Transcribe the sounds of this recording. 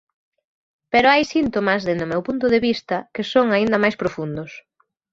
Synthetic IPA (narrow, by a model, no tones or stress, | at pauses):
peɾoajsint̪omɐzðend̪ʊmewpunt̪ʊðeβist̪ɐkɪsoŋaind̪ɐmajspɾofund̪ʊs